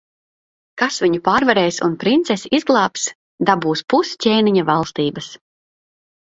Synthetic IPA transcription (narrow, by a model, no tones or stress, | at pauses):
kasvʲiɲupaːɾvaɾɛːjsunpɾint̪sɛsizɡlˠɑːps | d̪abuːspuscʲɛːniɲavalˠst̪iːbɐs